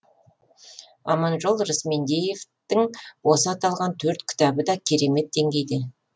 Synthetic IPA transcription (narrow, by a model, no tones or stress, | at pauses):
ɑ̰mɑnʒo̞lˠɾɪsme̞nd̪e̞je̞vt̪ɪŋwo̞səɑt̪ɑlˠʁɑnt̪ʰɵɾt̪kʲʰɪ̥t̪ɑbəd̪ɑkʲʰe̞ɾe̞me̞t̪̚d̪e̞ŋɡʲe̞jd̪ɪ